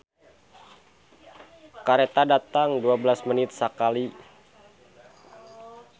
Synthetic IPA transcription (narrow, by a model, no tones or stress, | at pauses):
kaɾet̪adat̪aŋduabəlasmənɪt̪̚sakali